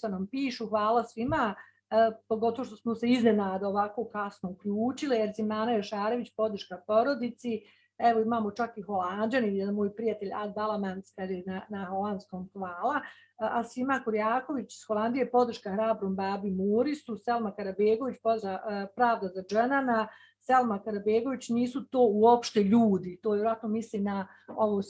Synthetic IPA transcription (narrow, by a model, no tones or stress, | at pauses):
t̪anampiːʃuxʋaːlˠasʋima | po̞ɡot̪o̞ʋoʃt̪osmose̞izne̞naːd̪aoʋako̞ːkasnoukʎuːt͡ʃilijeɾzimaːnajoʃaːɾe̞ʋit͡ɕpo̞d̪ɾ̩ʃkapo̞ɾo̞d̪it̪si | ɛʋo̞imaːmo̞t͡ʃakiɦo̞land͡ʒanijɛd̪anmoːjpɾijat̪e̞ʎab̪alˠamanskad̪enanaho̞land̪skoːmhʋaːlˠa | asʋimakuɾjaːko̞ʋit͡ɕi̥sxo̞lˠand̪ijepo̞d̪ɾ̩ʃkaxɾaːbɾombaːbimuːɾisuselˠmakaɾabeːɡo̞ʋit͡ɕpoapɾaːʋd̪azad͡ʒenana | selmakaɾabeːɡo̞ʋit͡ɕniːsut̪oːuo̞pʃt̪e̞ʎuːd̪it̪o̞ːʋjeɾoat̪no̞misliːmna | oʋo